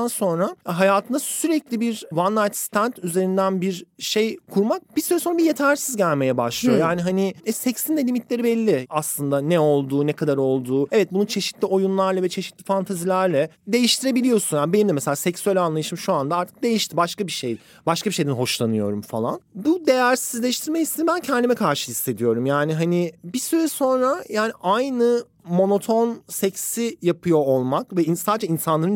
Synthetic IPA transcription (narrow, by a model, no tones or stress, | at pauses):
anso̞nɾaɦajaːt̪ʰɯnasyɾɛclʲibiɾvanːajt̪st̪ʰænt̪yze̞ɾind̪ænbiɾʃejkʰuɾmak̚b̥isyɾɛsonɾabije̞t̪ʰæɾsizɟælʲme̞jɛbaʃlˠɯjo̞jaːniɦaniɛsɛcsind̪ɛlʲimit̪lʲe̞ɾibɛlʲːiaslˠɯnd̪anɛo̞lˠd̪uːnɛkʰad̪aɾo̞lˠd̪uːɛvɛt̪̚bunut͡ʃʰe̞ʃi̥t̪lʲio̞junlˠaɾlˠavɛt͡ʃʰe̞ʃit̪lʲifant̪ʰazilʲæɾlʲɛ | d̪e̞jiʃt̪ʰiɾe̞bilʲijo̞sunjaːnibe̞nimd̪ɛmɛselʲaːsɛcksyælʲanlˠajɯʃɯmʃuand̪aaɾt̪ʰɯ̥k̚d̪e̞jiʃt̪ʰibaʃkabiʃej | baʃkabiʃe̞jd̪ɛnɦo̞ʃlˠanɯjo̞̰ɾumfalˠa̰nbud̪e̞jæɾsizlʲeɛjiʃt̪ʰiɾmɛcist̪inbæncʰɛnd̪ʲimɛkʰaɾʃɯ̥hisːe̞d̪ijo̞ɾumjaːniɦanɪbisyɾɛso̞nɾajaːniʔajnɯ | mo̞no̞t̪ʰo̞nsɛcsijapʰɯjo̞olˠmakvɛinsaːd̪d͡ʒainsanlˠaɾɯn